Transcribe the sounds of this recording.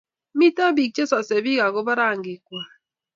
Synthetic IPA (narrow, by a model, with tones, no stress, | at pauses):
mi˦ta˦bi˨k̚t͡ʃe˦sɔ˨se˨bi˦ka˨ko˦ba˦ɾa˦˨ŋ˨ɡi˨kwa˨